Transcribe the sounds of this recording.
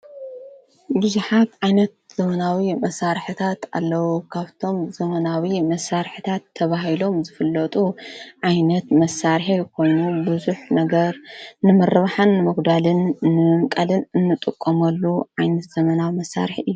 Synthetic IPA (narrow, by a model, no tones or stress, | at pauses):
bɨzuħat̪ʕajnɐt̪̚z̥ɐmɐnawimɐsaɾħɨt̪ʰat̪a̰lːɐwukʰaβt̪ʰo̞mzɐmɐnawimɐsːaɾħɨt̪ʰat̪ʰːɐβaɦilo̞mzɨfɨlːɐt̪ʼuʕajnɐt̪mɐsːaɾħijkʰo̞jnubɨzuħnɐɡɐɾnɨmɐrɐβaħanːɨmɨɡd̪alɨnːɨmɨmkʼɐlɨnɨnːɨt̪ʼɨkʼːɐmɐlːuʕajnɐt̪z̥ɐmɐnawimɐsːa̰ɾħiɨjːu